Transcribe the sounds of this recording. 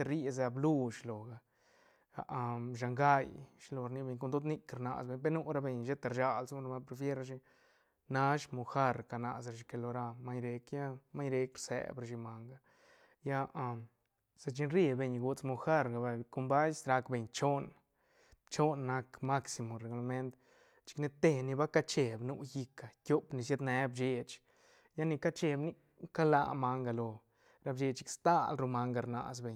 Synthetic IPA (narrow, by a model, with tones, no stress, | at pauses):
e˧ɾi˦z̬a˧blu˦˧ʃlo˨ɡa˧ | a̰˧ʔa˧ʃ̬a˧ŋɡa˦jʃlo˧ɾni˧be˧ɲk̬o˧nd̪o˦d̪ni˧kɾna̰˧sbe˧ɲpe˦nu˦ɾa˧be˧ɲʃe˦t̪a˧ɾʃa˧lsɾma˧pɾe˧fje˦ɾa˧ʃi˧ | na˧˦ʃmo˧xa˦ɾka˧na˧sɾa˧ʃi˧ke˧lo˧ɾa˧ma˦ɲɾe˧kja˦ma˦ɲɾe˧kɾsḛ˨bɾa˧ʃi˧ma˨˧ŋɡa˧ | ja˦ʔa˧ | sa˧t͡ʃi˧nɾe˧be˧ɲɡu˧t͡smo˧xa˦ɾɡa˨ba˧ku˧mba˦jsɾa˧kbe˧ɲt͡ʃo˦n | t͡ʃo˦nːa˧kma˦ksi˧mo˨ɾe˨ɡu˧la˧me˦nt̪ | t͡ʃi̥˧kni˧t̪e˧ni˧ba˦ka˦t͡ʃe˧bnu˧ji˧ka˨kʲo˧pni˧sja˦d̪ne˨˧˦bd͡ʒe˧t͡ʃ | ja˦ni˧ka˦t͡ʃe˧bni˦ | ka˦la̰˧˨ma˧ŋɡa˧lo˧ | ɾa˧bd͡ʒe˧t͡ʃi˧kst̪a˦lɾu˧ma˧ŋɡa˧ɾna̰˧˨sbe˧ɲ